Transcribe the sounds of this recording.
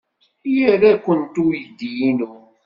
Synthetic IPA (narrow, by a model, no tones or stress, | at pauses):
jəɾakʷːənt̪ujəd̪ːijinu